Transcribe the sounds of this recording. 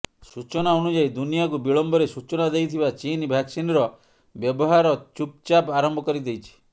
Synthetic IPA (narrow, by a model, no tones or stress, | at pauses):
sut͡ʃɔnaɔnud͡ʒajd̪unijakubiɭɔmbʱɔɾesut͡ʃɔnad̪ejt̪ʰibat͡ʃinbʱaksinɾɔ | bjɔbɔɦaɾɔt͡ʃup̚t͡ʃapaɾɔmbʱɔkɔɾid̪ejt͡ʃʰi̥